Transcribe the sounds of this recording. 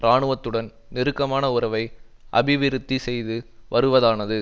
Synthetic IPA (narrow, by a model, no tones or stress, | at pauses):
ɾaːɳɯʋɐt̪ːɯɽɐn | nɪɾɯkːɐmaːnɐʊɾɐʋɐɪ | ʔɐ̰bɪʋɪɾɯt̪ːisɛjðɯʋɐɾɯʋɐðaːnɐðɯ